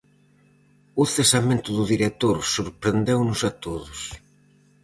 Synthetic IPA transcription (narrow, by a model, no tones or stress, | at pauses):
ʊθesamẽnt̪ʊðʊðiɾet̪oɾsuɾpɾend̪ewnʊsat̪oðʊs